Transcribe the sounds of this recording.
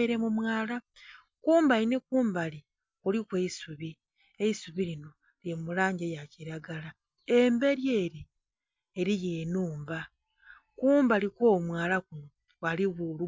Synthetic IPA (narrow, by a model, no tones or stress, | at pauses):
eɾe̞mumwaːla | kuːmbainekuːmbali | kulikweisuβi | e̞isuβiɾino̞ | ljeumulaːɲɟejaciɾaɡala | embe̞ɾje̞ːɾi | eɾijeːnuːmba | kuːmbalikoːmwaːlakuno | waliβulu